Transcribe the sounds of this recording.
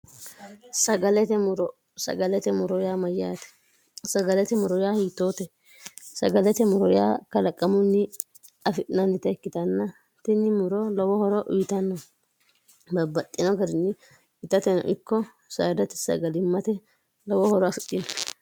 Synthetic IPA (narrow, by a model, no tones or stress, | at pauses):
sɐɡɐlɛt̪ɛɾ | sɐ̰ɡɐlɛt̪ɛmʊɾɔjaːmɐja̰ːt̪ɛ̥ | sɐɡɐlɛt̪ɛmʊɾɔjaːhiːt̪ːoːt̪ɛ | sɐɡɐlɛt̪ɛmʊɾɔja̰ːkɐlɐkʼːɐmʊnːɪ | ɐfɪʔɪnɐnːɪt̪ɐɛkːɪt̪ɐnːɐ | t̪ɪnɪmʊɾɔlɔwɔhɔɾɔʔʊjɪt̪ɐnːɔ | bɐbɐt̪ʼːɪnɔɡɐɾɪnːɪ | ɪt̪ːɐt̪ɛnɔ̰ʔɪkːɔ | saːd̪ɐt̪ɛ̥sɐ̰ɡɐlɪmːɐt̪ɛ | lɔwɔhɔɾɔɐfɪt̪ʼːɪnɔ